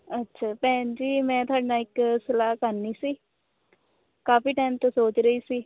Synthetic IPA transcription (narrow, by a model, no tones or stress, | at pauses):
ətːʃʰaːpɛ̃ːnd͡ʒiːmɛ̃ːt̪ʊaːɖnaːɪksəlaːkəɾniːsiː | kaːfiːʈaːɪmt̪õsoːt͡ʃɾəiːsiː